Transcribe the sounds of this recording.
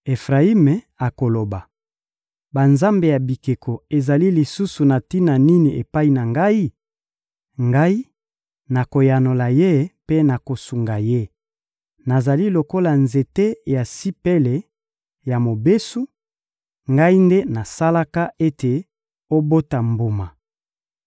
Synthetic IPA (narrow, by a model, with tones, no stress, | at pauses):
e˨fʁa˨i˦me˨ | a˨ko˨lo˨ba˨ | ba˨nza˦mbe˨ja˨bi˨ke˨kʰo˨e˨za˨li˦li˨su˦su˨na˨ti˦na˨ni˦ni˨ʔe˨pa˦i˨na˨ŋɡa˦i˦ | ŋɡa˦i˦ | na˨ko˨ja˨no˨la˨je˦pe˦na˨ko˨su˨ŋɡa˨je˦ | na˨za˨li˦lo˨ko˦la˨nze˨te˦ja˨si˦pe˦le˨ | ja˨mo˨be˦su˦ | ŋɡa˦i˦nde˦na˨sa˦la˦ka˦e˦tʰe˨ | o˦bo˦ta˨mbo˨ma˨